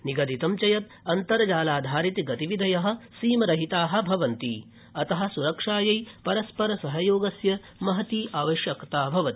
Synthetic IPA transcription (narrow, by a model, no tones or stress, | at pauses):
niɡɐd̪it̪ɐmt͡ʃɐjɐt̪̚ | ɐnt̪ɐɾɐd͡ʒaːlaːd̪ʱaːɾit̪iɡɐt̪iʋid̪ʱɐjɐɦɐ̆siːmɐɾɐɦit̪aːɦɐ̆bʱɐʋɐnt̪ḭ | ɐt̪ɐɦɐ̆suɾɐkʂaːjɐjpɐɾɐspɐɾɐsɐɦɐjoːɡɐsjɐ | mɐɦɐt̪iːʔaːʋɐʃjɐkt̪aːbʱɐʋɐt̪i̥